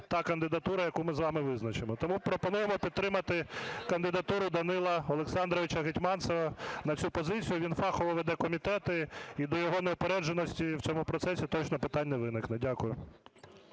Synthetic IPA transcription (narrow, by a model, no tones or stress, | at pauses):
t̪ɑkɐnd̪ɪd̪ɐt̪uɾɐjɐkumɪzʋɑmɪʋɪznɐt͡ʃemɔt̪ɔmupɾɔpɔnujemɔpʲid̪̚t̪ːɾɪmɐt̪ɪkɐnd̪ɪd̪ɐt̪uɾʊd̪ɐnɪlˠɐɔlˠeksɑnd̪ɾɔʋʲɪt͡ʃɐɦetʲmɑnsɔʋɐnɐt͡sʲupɔzɪt͡sʲijʊʋʲinfɑxɔʋɔʋɛd̪ɛkɔmʲit̪ɛt̪ɪid̪ɔjɔɦɔneɔpeɾɛd͡ʒʒenɔsʲtʲiwt͡sʲɔmʊpɾɔt̪sɛsʲit̪ɔt͡ʃnɔpɪt̪ɑnʲːɐʋɪnɪknɛdʲakʊjʊ